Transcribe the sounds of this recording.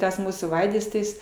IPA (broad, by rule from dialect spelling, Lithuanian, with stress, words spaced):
ˈtɐs ˈmuːsuː ˈʋɐɪdɐs tɐɪ ˈjɪs